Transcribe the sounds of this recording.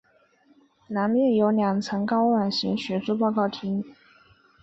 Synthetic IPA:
na˧˥nmjɛ˥˩njo˧˥ʊljɑ˨˩ŋt͡sʰɤ˧˥ŋkɑ˥ʊwa˨˩nɕi˧˥ŋɕɥɛ˧˥ʈ͡ʂu˥pɑ˥˧ʊkɑ˥˩ʊt̪ʰi˧˥ŋ˥˩

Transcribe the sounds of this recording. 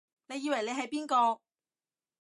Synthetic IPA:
ne˨˧jiː˨˧wɐ˨˩jle˨˧jɦɐ˨˥jpiː˥nkɔː˧

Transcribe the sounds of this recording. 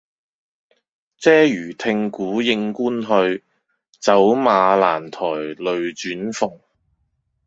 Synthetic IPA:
t͡sɛː˥jyː˨˩t̪ʰɪ˧ŋkuː˨˥jɪ˧ŋkuː˥nɦɵ˧ɥ | t͡sɐ˨˥wmaː˨˧la̰ː˨˩nt̪ʰɔː˨˩jlɵ˨˧ɥt͡ʃyː˨˥nfʊ˨ŋ

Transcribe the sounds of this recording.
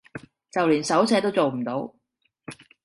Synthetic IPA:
t͡sɐ˨wliː˨˩nsɐ˨˥wsɛː˨˥t̪̬o˥wt͡so˨wm̩˨˩t̪o˨˧˥w

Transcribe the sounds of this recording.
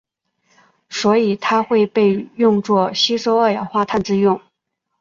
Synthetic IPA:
swɔ˧˥i˨˩t̪ʰa˥xwe˥˧ɪpe˥˧ɪjʊ˥˧ŋt͡swɔ˥˩ɕi˥ʂo˥ʊə˞˥˩jɑ̰˨˩ʊxwa˥˧t̪ʰa˥˧nʈ͡ʂɻ̩˥˧jʊ˥˩ŋ

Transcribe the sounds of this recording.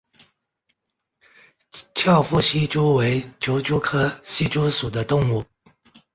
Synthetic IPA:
t͡ɕʰjɑ˥˩ʊfu˥˩ɕi˥t͡ɕu˥we˧˥ɪt͡ɕʰjo˧˥ʊt͡ɕju˥kʰɤ˥ɕi˥ʈ͡ʂu˥ʂu˨˩d̪ə˦t̪ʊ˥˧ŋu˥˩

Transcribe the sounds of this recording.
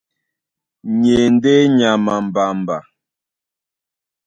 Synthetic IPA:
ɲe˨n̩˦de˦ɲa˨ma˨m̩˨ba˨m̩˨ba˨

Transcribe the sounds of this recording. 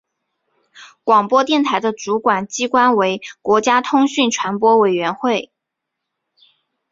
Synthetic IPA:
kwɑ˨˩ŋpwɔ˥t̪jɛ˥˩nt̪ʰa˧˥ɪd̪ə˧ʈ͡ʂu˧˥kwa˨˩nt͡ɕi˥kwa˥nwe˧˥ɪkwɔ˧˥t͡ɕja˥t̪ʰʊ˥ŋɕy˥˩nʈ͡ʂʰwa˧˥npwɔ˥we˨˩ɪɥɛ˧˥nxwe˥˩ɪ

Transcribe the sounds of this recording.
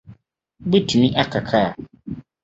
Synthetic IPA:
be˦tʰi˨nĩ˦ʔa˦kʰa˨kʰa˦˨

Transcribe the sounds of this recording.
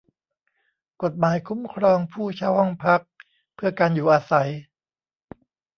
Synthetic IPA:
ko˨˩t̪̚maː˩˦jkʰu˦˥mkʰɾɔː˧ŋpʰuː˥˩t͡ɕʰaː˥˩whɔ˥˩ŋpʰa˦˥k̚ | pʰɯ˥˩ɐkaː˧njuː˨˩ʔaː˧sa˩˦j

